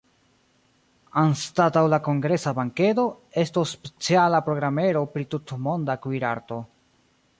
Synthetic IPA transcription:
anstatawlako̞ŋɡɾe̞sabaŋke̞do̞e̞stosːpet͡sialapɾo̞ɡɾame̞ɾo̞pɾitutmo̞ndakwiɾaɾto̞

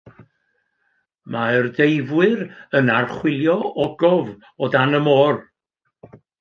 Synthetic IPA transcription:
maərdejvwɨɾənarχwɪlˠjɔɔɡɔv | ɔdanəmoːr

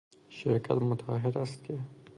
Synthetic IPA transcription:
ʃɪɾka̰t̪mʊt̪ʰɑ̰ɦɪɾast̪̚ke

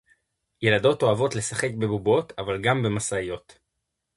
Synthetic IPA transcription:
je̞lado̞to̞avo̞tle̞saχe̞k̚be̞bubo̞tavalɡambe̞masajo̞t

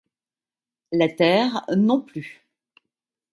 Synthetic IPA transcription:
lat̪ɛʁnɔ̃ply

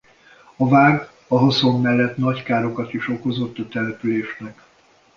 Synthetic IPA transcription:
ɒvaːr | ɒɦoso̞mːɛlːɛt̪nɒckaːɾo̞kɒt̪iʃo̞ko̞zo̞t̪ːɒt̪ɛlɛpyleːʃnɛk

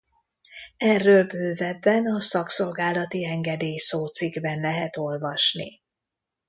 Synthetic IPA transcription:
ɛrːøːlbøːvɛbːɛnɒsɒkso̞lɡaːlɒt̪iɛŋɡɛd̪eːjsoːt̪siɡbɛnlɛɦɛt̪o̞lvɒʃnḭ

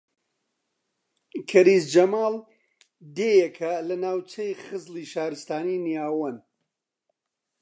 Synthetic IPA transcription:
kʰɐɾiːsd͡ʒɐmaːlˠ | d̪eːjɛkʰɐlɐnaːwt͡ʃʰɐjχɨzliːʃaːɾɨst̪aːninijaːwɐn

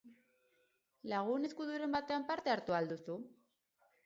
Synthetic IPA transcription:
laɣ̞une̞skuðuɾe̞mbat̪e̞ampaɾt̪e̞aɾt̪uald̪usu

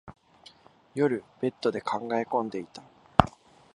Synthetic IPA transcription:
jo̞ɾɯ̟b̥e̞t̪ːo̞d̪e̞kʰãŋɡae̞kõ̞nd̪e̞it̪ḁ

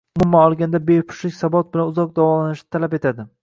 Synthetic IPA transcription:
ʊmʊmːanɒlˠɡʲand̪abejpʰʊ̥ʃlɪkʲsabɒt̪̚bɪlanʊzɒq̚d̪avɒlananɪʃnɪ̥t̪ʰalape̞t̪ʰad̪ɪ

